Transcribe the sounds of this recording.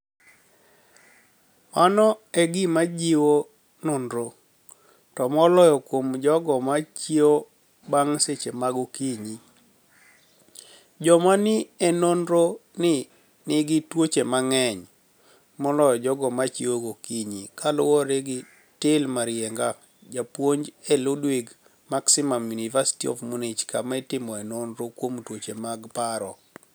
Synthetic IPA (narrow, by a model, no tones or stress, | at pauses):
manɔɛɡɪmad͡ʒiwo | nonɾo | tɔmɔlɔjɔkwomd͡ʒɔɡɔmat͡ʃio | baŋset͡ʃemaɡokiɲi | d͡ʒɔmanɪɛnonɾonɪ | nɪɡɪtwot͡ʃemaŋɛɲ | mɔlɔjɔd͡ʒɔɡɔmat͡ʃioɡokiɲikalʊwɔɾeɡɪ | tɪlmaɾjɛŋɡa | d͡ʒapwoɲd͡ʒɛlʊdwiɡ | maksɪmamjunivasi̥tiɔ̰vmonet͡ʃkamaitɪmɔɛnonɾokwomtwot͡ʃemaɡpaɾɔ